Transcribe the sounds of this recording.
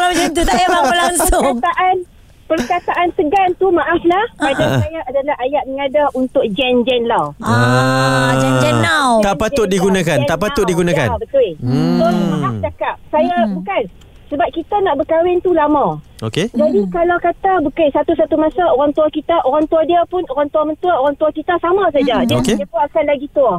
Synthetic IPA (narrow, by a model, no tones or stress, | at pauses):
lad͡ʒɛnt̪ut̪jaaəlaŋsəʊkat̪aʔan | pərkat̪aʔant̪əɡant̪umãʔaflahpadaajaʔadalaɦajaʔ̚məŋadaunt̪ʊk̚d͡ʒɛnd͡ʒɛnla | d͡ʒɛd͡ʒɛat̪aʔpat̪ʊt̪̚diɡunãkannaʔpat̪ʊt̚diɡunãka̰nbət̪wɪsonmaaft͡ʃakap̚sajabukan | səbap̚kit̪anaʔbəkawɪnt̪ulamãoked͡ʒadikalawkat̪abəkisat̪usat̪umasaoɾaŋt̪uakit̪aʔoɾaŋt̪uadiapʊnoɾaŋt̪uamənt̪uaoɾaŋt̪uakit̪asamãs̬add͡ʒadiakeiat̪uakanlaɡit̪ua